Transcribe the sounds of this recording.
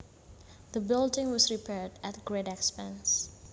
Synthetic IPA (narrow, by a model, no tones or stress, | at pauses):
ðəbɪldɪ̃ŋwɔsɹipʰɛdæt̚ɡɹedɛkspɛ̃ns